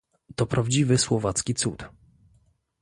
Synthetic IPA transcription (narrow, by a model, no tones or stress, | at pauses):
t̪ɔpɾʔavd͡ʑivɘswɔvat̪skʲit̪sut̪